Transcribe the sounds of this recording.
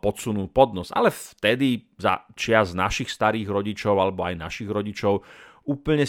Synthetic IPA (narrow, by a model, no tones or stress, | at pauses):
pɔsunuːpɔd̪nɔza̰lɛft̪ɛd̪iza̰t͡ʃɪazna̰ʃixst̪aɾiːɣɾɔɟit͡ʃɔʊalɛbɔajna̰ʃiɣɾɔɟit͡ʃɔʊ | uːpl̩ɲɛ